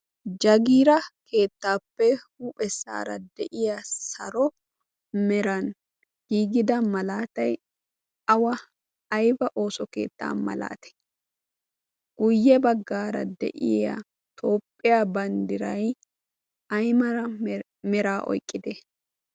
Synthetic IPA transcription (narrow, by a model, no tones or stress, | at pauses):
d͡ʒɐɡiːɾɐkʰe̞ːt̪ːaːpːɛhupʼɛsːa̰ːɾɐ̰d̪ɛʔɪjasɐɾɔ | mɛɾɐn | ɡ̥iːɡɪd̪ɐmɐlaːt̪ɐj | ɐwɐː | jbɐʔo̞ːsɔke̞̰ːt̪ːa̰ːmɐ̰la̰ːt̪ɛ̥ | ɡ̥ʊjːɛbɐɡːaːɾɐ̰d̪ɛ̰ʔɪ̰jɐ̰ | t̪ʰo̞ːpʼːɪjaːbɐnd̪ɪɾɐj | ɐjmɐɾɐ | mɛɾaːʔɔ̰jkʼːɪd̪ɛ